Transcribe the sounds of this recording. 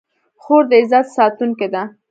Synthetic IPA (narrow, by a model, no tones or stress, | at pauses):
xoɾd̪əɪzat̪sɑt̪uŋked̪a